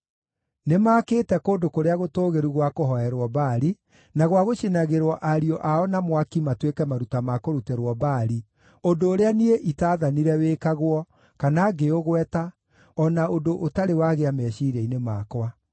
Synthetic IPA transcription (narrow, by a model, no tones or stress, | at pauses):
nemaːkeːtɛkoːndokoɾeaɣotoːɣeɾuɣwakoɦɔɛɾwɔbaɾi | naɣwaɣoʃenaɣeɾwɔʔaɾiɔʔaɔnamwakimatwekɛmaɾutamakoɾutɛɾwɔbaːɾi | ondoːɾeanieʔitaːðaniɾɛweːkaɣwɔ | kanaɡeoɣwɛta | ɔnaondoʔotaɾewaɣeamɛɕiɾɛinemaːkwa